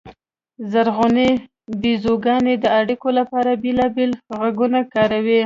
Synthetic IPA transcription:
zaɾɣone | bizoɡɑned̪əaɽikolapɑɾabelɑbelɣaɡunakɑɾawi

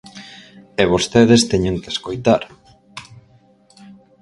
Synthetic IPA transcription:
eβost̪eðest̪ɛɲoŋkeskojt̪aɾ

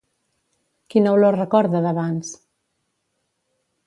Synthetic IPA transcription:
kinəwloɾrəkɔɾðəðəβans

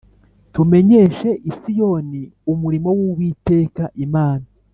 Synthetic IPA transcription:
tume̞ɲeːʃe̞ʔisijo̞niumuɾimo̞wuwiːte̞ːkaʔimaːna

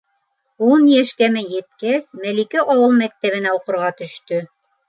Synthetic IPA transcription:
unjæʃkæmɘjɘ̆t̪̚kæsmælikiʔɑwɤlˠmæk̚t̪æβɘ̆næuqŏɾʁɑt̪ɵ̆ʃt̪ɵ

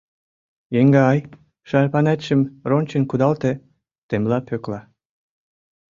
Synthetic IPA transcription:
jeŋɡɑɑj | ʃɑɾpɑnæt̪ɕə̆mronʲt͡ɕənkud̪ɑlt̪ĕ | t̪emlɑpʰøklɑ

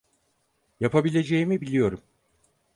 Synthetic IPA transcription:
japabilʲe̞d͡ʒe̞jimibilʲijo̞ɾum

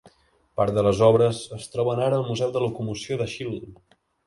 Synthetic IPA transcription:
paɾt̪ðələzɔβɾəzəst̪ɾɔβənaɾəːlˠmuzɛwðələkumusioðəʃil

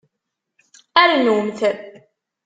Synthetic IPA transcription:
æɾnwəmθəɾ

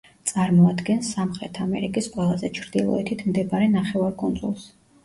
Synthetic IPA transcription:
t̪sʼaɾmɔad̪ɡɛnsːamχɾɛt̪ʰamɛɾikʼisqʼwɛlˠazɛt͡ʃʰɾd̪ilˠɔ̰ɛt̪ʰit̪ʰmd̪ɛbaɾɛnaχɛvaɾkʼunzulˠs

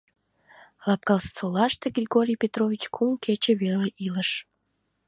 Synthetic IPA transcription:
lɑp̚kɑlst͡solɑʃt̪eɡrʲiɣoɾʲijpʲet̪rovʲit͡ɕkʰumkʰet͡ɕeβeleʔiləʃ

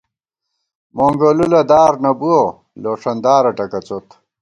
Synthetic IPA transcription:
moŋɡolulɐd̪aːɾnɐbuo | loːʂɐnd̪aːɾɐʈɐkɐt͡sot̪

